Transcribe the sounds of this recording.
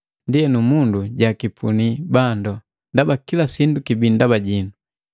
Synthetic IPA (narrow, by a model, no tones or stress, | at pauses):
ndiɛnumunduɟakipʰṵnibandɔ | ndabakilasindukibindabaɟinu